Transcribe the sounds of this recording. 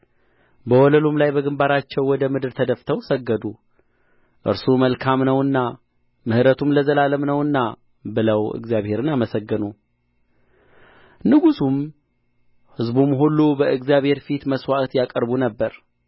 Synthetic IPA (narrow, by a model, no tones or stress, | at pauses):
bəwɔləlumlajbəɡɨmbaɾat͡ʃːɛwːɔd̪əmɨd̪ɨɾt̪ʰəd̪əft̪ʰəwsəɡːəd̪u | ʔɨ̰ɾsuməlkʰamnəwɨnːa | mɨhɨɾət̪ʰumləzəlaləmnəwɨnːa | bɨləwɨ̰ɡzijaβhe̞ɾɨnaməsəɡːɨnu | nɨɡusum | hɨzbumɦulːubəɨɡzijaβhe̞ɾfit̪məswat̪jakʼəɾbunəbːəɾ